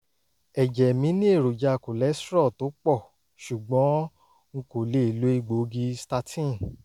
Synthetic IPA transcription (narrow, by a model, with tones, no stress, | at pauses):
ɛ˨d͡ʒɛ˨mĩ˨˦nĩ˦e˦˨ɾo˨d͡ʒa˧˨ko˨lɛ˨˦sɾɔ˦˨to˨˦k͡pɔ˦˨ | ʃu˨ɡ͡bɔ̃˨˦ | ŋ̩˦ko˨le˦i˨lo˨˦i˦˧˨ɡ͡bo˨˦ɡi˧sta˧tʰĩ˦˨